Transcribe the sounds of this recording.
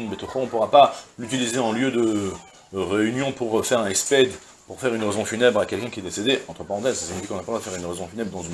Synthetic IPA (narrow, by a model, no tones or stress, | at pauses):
nbet̪oχoɔ̃puʁapalyt̪ilizeɑ̃ljød̪ə | ʁeynjɔ̃puʁfɛʁɛ̃nɛspɛd̪ | puʁfɛʁynʁezɔ̃fynɛbʁakʲɛlkʲɛ̃kʲiɛd̪esed̪eɑ̃t̪χəpaʁɑ̃t̪ɛzsḁsiɲifikɔ̃napaʁlad̪əfɛʁynʁezɔ̃fynɛbʁəd̪ɑ̃zyn